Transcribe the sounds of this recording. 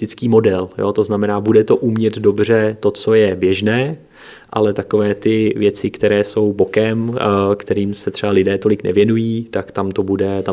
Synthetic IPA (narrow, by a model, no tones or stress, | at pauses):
t̪ɪt͡skiːmo̞dɛljo̰t̪o̞znamɛnaːbudɛt̪o̞ʔumɲɛd̪do̞br̝ɛt̪o̞t͡so̞jɛbjɛʒnɛː | ʔa̰lɛt̪ako̞vɛːt̪ɪvjɛt͡sɪkt̪ɛɾɛːso̞wbo̞kɛmkt̪ɛɾiːmsɛt̪r̥ɛbalɪdɛːt̪olɪknɛ̰vjɛnujiːt̪akt̪amt̪o̞budɛt̪a